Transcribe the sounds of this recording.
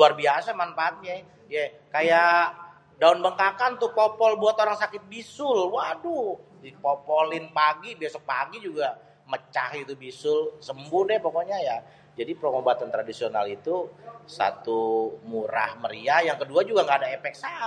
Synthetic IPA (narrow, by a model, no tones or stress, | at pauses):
luarbiasamanfaːt̪̚ɲa | ja | kaja | daʊnbəŋkakant̪upopɔlbuat̪oɾaŋsakɪt̪̚bisʊlwadudipopɔlɪnpaɡibiasɔk̚paɡid͡ʒuɡa | mət͡ʃaɦit̪ubisʊlsəmbʊnɛpokoɲaja | d͡ʒadipɾoŋobat̪ant̪ɾadisionalit̪usa̰t̪umuɾa̰hməɾiajaŋkəduad͡ʒuɡaŋɡaːdaepɛk̚sa